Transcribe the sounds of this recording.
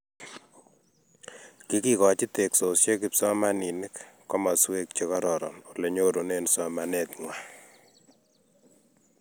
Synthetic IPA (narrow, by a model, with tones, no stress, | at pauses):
ki˦kikɔ˨t͡ʃi˦te˨kso˨sje˦kipsɔ˦ma˦ni˨nɪ˦kːɔ˦ma˨swe˦k̚t͡ʃekɔ˦ɾɔ˨ɾɔ̰˨nole˨ɲo˦ɾo˨ne˦nsɔ˨ma˨ne˨tŋwa